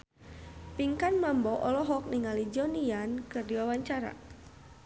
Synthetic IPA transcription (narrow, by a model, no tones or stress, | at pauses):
piŋkanmambɔʔɔlɔɦɔk̚niŋalid͡ʒɔnijankɨrdiwawaɲt͡ʃaɾa̰